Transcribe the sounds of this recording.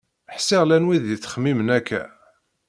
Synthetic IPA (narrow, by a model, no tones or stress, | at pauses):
ħsiʁlænwiðiθːχəmːimənækːæ̰